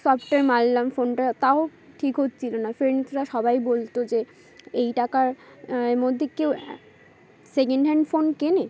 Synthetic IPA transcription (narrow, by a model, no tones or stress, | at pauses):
sɔpʈaɾmallamfonʈat̪aoʈʰikɦot̪ːt͡ɕʰilonafeɾnit̪ɾaʃɔbajbolt̪od͡ʑe | ejʈakaɾemod̪ʱːekew | sek̬eɳɖɦɛɳɖfonkene